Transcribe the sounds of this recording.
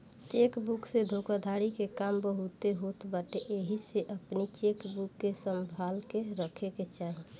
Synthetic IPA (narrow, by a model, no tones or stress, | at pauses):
t͡ʃekbuksed̪ʱokad̪ʱaɽikekambəɦut̪eɦot̪baʈeʔeɦiseʔəpnit͡ʃekbukːesəmbʱalkeɾəkʰeket͡ʃaɦi